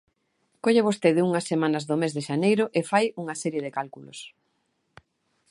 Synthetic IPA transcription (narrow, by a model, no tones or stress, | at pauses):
koʎeβost̪eðɪuŋɐsːemãnɐzðʊmezðɪʃanejɾʊʔefajuŋɐsɛɾjeðekalkulo̰s